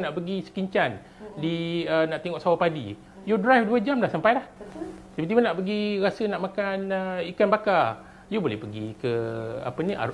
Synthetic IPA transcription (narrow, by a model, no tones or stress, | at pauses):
naʔpəɡisə̥kiɲt͡ʃan | diənaʔt̪iŋɔʔsawapadḭ | judɾajfduəd͡ʒamlahsampajlahd͡ʒabit̪imanaʔpəɡiɾasənaʔmakanəikanbaka | jubolɛhpəɡḭkəa̰pənĩʔa̰